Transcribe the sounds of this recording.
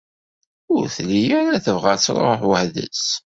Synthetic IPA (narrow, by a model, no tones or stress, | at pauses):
ʊɾθlijæɾæθəvʁæt͡sːɾ̰ˤoħwəhðə̰s